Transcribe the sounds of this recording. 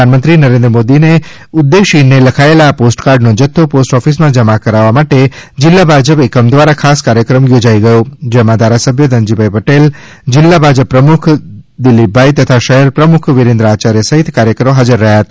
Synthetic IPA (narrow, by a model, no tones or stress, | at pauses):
əanmənt̪ɾinəɾẽnd̪ɾəmod̪ine | ʊd̪ːeʃineləkʰaelaːposʈkaɾɖnod͡ʒət̪ʰːoposʈɔfismãd͡ʒəmakəɾaʋːamaʈed͡ʒɪlːabʱad͡ʒəpekəmd̪ʋaɾakʰaskaɾjəkɾəmjod͡ʒaiɡəjod͡ʒɛmãd̪ʱaɾasəbʱjəd̪əɲd͡ʒibʱaipəʈel | d͡ʒɪlːabʱad͡ʒəpːɾəmʊkʰd̪ɪlːibʱait̪ət̪ʰaʃəɦɛɾpɾəmʊkʰʋɪɾẽnd̪ɾəat͡ʃaɾjəsəɦɪt̪ʰkaɾjəkɾəoɦad͡ʒəɾːəɦjaɦət̪ː